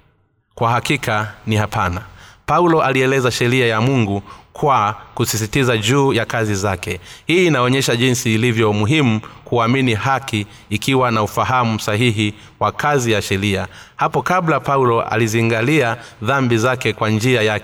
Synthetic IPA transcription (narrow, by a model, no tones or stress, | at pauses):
kwahakikʰanihapanapaulɔʔaliɛlɛzaʃɛɾiajamuŋɡukʰwakusis̬itizaʄuːjakazizakɛhiːnaɔɲɛʃaʄinsiːlivjɔmuɦimukuaminihakiː | kiwanaufaɦamusaɦiɦi | wakazijaʃɛɾiahapɔkablapaulɔʔa̰liziŋɡalia | ðambizakɛkwand͡ʒiajakɛ